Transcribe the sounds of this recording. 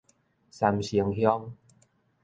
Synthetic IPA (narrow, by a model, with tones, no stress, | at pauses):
sa˧mɕi˧əŋhjɔ˦ŋ